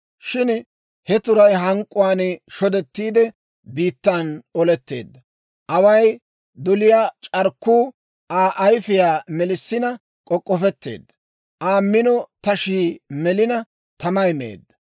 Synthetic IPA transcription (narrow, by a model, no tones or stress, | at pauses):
ʃɪn | hɛt̪ʊɾɐjɦɐŋkʼːʊwaːnʃɔd̪ɛt̪ːiːd̪ɛ | biːt̪ːaːnɔlɛt̪ːe̞̰ːd̪ːɐ | ʔɐwɐj | d̪ɔlɪjaːt͡ʃʼɐɾkːuː | ʔaːʔɐjfɪjaːmɛlɪsːɪnɐ | kʼɔkʼːɔfɛt̪ːḛːd̪ːɐ | ʔaːmːɪnɔt̪ɐʃiːmɛlɪnɐ | t̪ɐmɐjmḛːd̪ːɐ̥